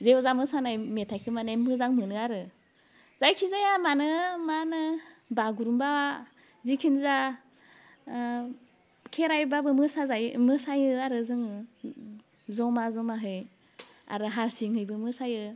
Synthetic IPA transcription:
zewzamɯsanajmetʰajkʰɯmanajmɯzaŋmɯnɯaɾɯ | zajkʰizajamanɯmanɯbaɡuɾumbaw | zikʰinza | kʰeɾajbabɯmɯsazajmɯsajɯaɾɯzɯŋ | zɔmazɔmaɦɯj | a̰ɾɯɦaɾsiŋhɯjbɯmɯsajɯ

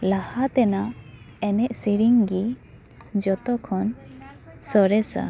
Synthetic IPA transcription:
lahat̪ɛna | ɛnɛʔsiɾiŋɡi | d͡ʒɔt̪ɔkʰɔn | sɔɾɛsa̰

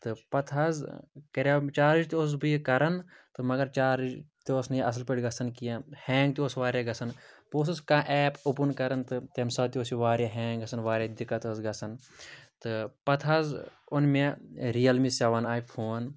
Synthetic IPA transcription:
t̪ɨpɐt̪ʰɦɐzkɐɾaːt͡ʃaːɾid͡ʒt̪ʲos̬bɨjkɐɾɐn | t̪ɨmɐɡɐɾt͡ʃaːɾid͡ʒt̪oːsnɨjɐs̬lpəɽɡɐsɐnkijahɛːŋɡt̪ioːsʋaːɾjaɡɐsɐnpoːsɨskãːʔɛːpupunkɐɾɐnt̪ɨt̪emsɐt̪ioːsiʋaːɾjaɦɛ̃ːŋɡɡɐsɐnʋaːɾjad̪ikːɐt̪oːsɡɐsɐn | t̪ɨpɐt̪ʰɦɐzʊnmeɾijɐlmisaʋɐnaːjpʰoːn

